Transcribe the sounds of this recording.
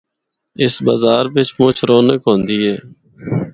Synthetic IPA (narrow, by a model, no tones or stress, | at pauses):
ɪsba̰ːzaːɾʋɪt͡ʃmʊt͡ʃʰɾoːnəkɦõːnd̪iːɦɛː